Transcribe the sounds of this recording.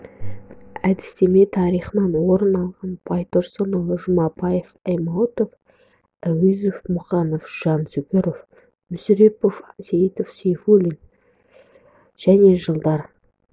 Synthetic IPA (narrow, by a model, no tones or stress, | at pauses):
æd̪ɪ̥st̪e̞me̞t̪ʰɑɾijχənɑnwo̞ɾənɑlˠʁɑnbʰɑjt̪oɾsənowʒʊmɑpɑjefɑjmɑwt̪of | æwizofmʊχɑnofʒ̥ɑnsʏkʲɪɾof | mʏsɾepofseit̪ofsʲejfulʲin | ʒ̥æne̞ʒəlˠd̪ɑɾ